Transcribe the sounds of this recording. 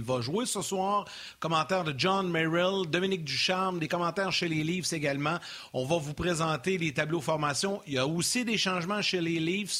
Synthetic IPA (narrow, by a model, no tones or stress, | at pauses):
vaʒwesəswaːʁ | kɔmɑ̃t̪ɛʁd̪əʒɑ̃nmeʁild̪ɔminɪk̚d̪yʃaʁmd̪ekɔmɑ̃ːt̪ɛːʁʃelelivseɡalmã | ɔ̃vavupʁezɑ̃ːt̪elet̪ablofɔʁmasjɔ̃ijaosid̪eʃɑ̃ːʒmãʃeleliːvs